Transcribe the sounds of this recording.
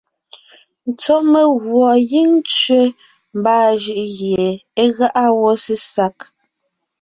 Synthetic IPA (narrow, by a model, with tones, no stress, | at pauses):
n̩˨t͡sɔ˦ʔme˨ɣwɔ˨ɣi˦ŋ˦t͡ʃɥe˦ | m˨baː˦˨ʒɯ˦˨ʔɣje˨e˦ɣa˦ʔa˦wɔ˦si˦sa˦k